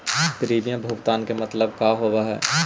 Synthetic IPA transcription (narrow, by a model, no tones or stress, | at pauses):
kəɾiːbijãbʱuɡt̪aːnkemɐt̪ləb̚kaːɦoːwaɦɛ̰ː